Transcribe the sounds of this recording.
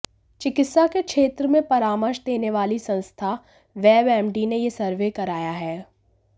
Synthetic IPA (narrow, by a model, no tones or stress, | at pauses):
t͡ʃɪkɪt̪sakekʃeːt̪ɾəmẽpɐɾaːməɾʃd̪eːneʋaːlisɐ̃nst̪ʰa | ʋɛːbɛːmɖinejesɐɾʋekɐɾaːjaɦɛː